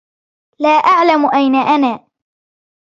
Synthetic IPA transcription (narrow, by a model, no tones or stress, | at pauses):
laːʔaʕlamʊʔajnaʔanaː